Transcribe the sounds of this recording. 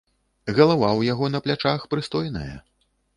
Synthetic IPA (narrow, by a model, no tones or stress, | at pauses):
ɣɐlˠavawjaɣɔnɐplʲat͡ʂaxpɾɨst̪ɔjnɐ̰jɐ̰